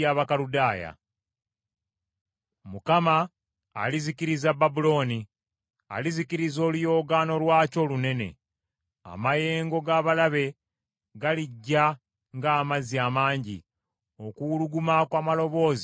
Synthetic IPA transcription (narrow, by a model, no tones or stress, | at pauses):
aβakaludaːja̰ | mukama̰ː | liziciɾizababulo̞ːni | a̰liziciɾizo̞ːlujo̞ːɡano̞lwaːco̞ːlune̞ne̞̰ | a̰maje̞ːŋɡo̞ɡaβalaβe̞ | ɡaliɟːa | ŋɡaːmaziaːmaːɲɟi | o̞kuuluɡumakwaːmalo̞βo̞ːz